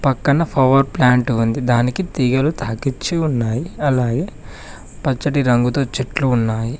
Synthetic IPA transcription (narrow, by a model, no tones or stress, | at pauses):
pɐkːɐnɐpʰɐʋɐɾplaːɳʈuund̪id̪aːnikit̪iːɡɐlut̪ʰaːkit͡ʃːiunːaːjiɐlaːɡe̞ː | pɐt͡ʃːɐʈiɾɐŋɡut̪o̞ːt͡ʃiʈluːnːaːji